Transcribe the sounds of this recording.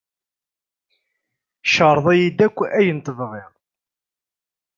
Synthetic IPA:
ʃəɾˤðˤæjid̪ækʷːæjənt̪əðʁɪʁˤ

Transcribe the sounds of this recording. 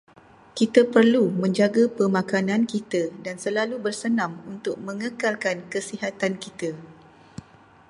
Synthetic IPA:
kit̪apərlumə̃ɲd͡ʒaɡapəmãkanãnkit̪adansəlalubərsənãmunt̪ʊk̚mə̃ŋəkalkankəsiɦat̪ankit̪a

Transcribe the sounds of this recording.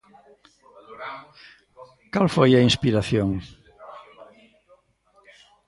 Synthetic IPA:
kalfojɐinspiɾaθjoŋ

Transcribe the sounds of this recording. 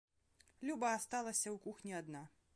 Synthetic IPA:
lʲubɐːst̪alˠɐsʲɐwkuxnʲiad̪na

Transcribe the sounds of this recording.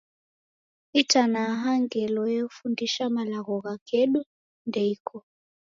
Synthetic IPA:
itʰanaɦaŋɡɛlɔjefundiʃamalaɣɔɣakʰeɗu | ndɛikʰɔ

